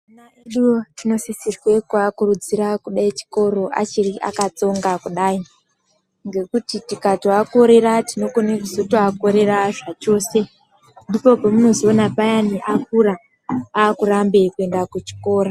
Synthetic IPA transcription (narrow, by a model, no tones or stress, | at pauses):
naeɗuotino̞sisirwe̞kwakurud͡ziɾakuɗait͡ʃi̥ko̞ɾo̞ʔa̰t͡ʃiriʔa̰kat͡so̞ŋɡakuɗai | ŋɡe̞kutitikatoako̞ɾe̞ɾatino̞koneruzotoakoɾe̞raʐat͡ʃo̞ːse | ndipo̞pomuno̞zonapajaniʔak̚uɾa | aːkuɾambe̞kue̞ndakut͡ʃi̥ko̞ːɾa